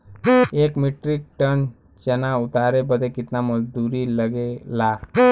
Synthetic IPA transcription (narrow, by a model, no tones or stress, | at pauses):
ekmiʈɾik̚ʈən | t͡ɕɛnaut̪aɾebəd̪ʱekit̪naməd͡zd̪uɾiːləɡela